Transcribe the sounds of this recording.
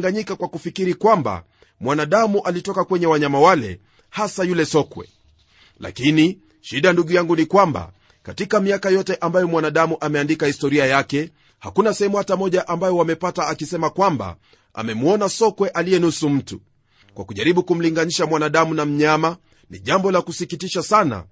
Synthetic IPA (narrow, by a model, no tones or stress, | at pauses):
ŋɡaɲikakwakufikiɾikwamba̰ | mwanaɗamuʔalitɔkakwɛɲɛwaɲamawalɛ̰ | hasajulɛsɔkwɛ̰ | la̰kini | ʃiɗanduɠujaŋɡunikwamba̰ | katikamiakajɔtɛʔambajɔmwanaɗamuʔamɛandikahistɔɾiajakɛ | hakunasɛhɛmuhatamɔʄaʔambajɔwamɛpataːkisɛmakwamba̰ | a̰mɛmuɔnasɔkwɛʔalijɛnusum̩tṵ | kwa̰kuʄaɾiɓukum̩liŋɡaniʃamwanaɗamunam̩ɲama | nḭʄambɔlakusikitiʃasana̰